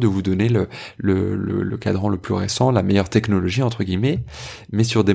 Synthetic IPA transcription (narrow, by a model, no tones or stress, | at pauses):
d̪əvud̪ɔnelələ̰lə̰lə̰kad̪ʁɑ̃ləplyʁesɑ̃lamɛjœʁt̪ɛknɔlɔʒiɑ̃t̪χəɡʲimɛ | mɛsyʁd̪e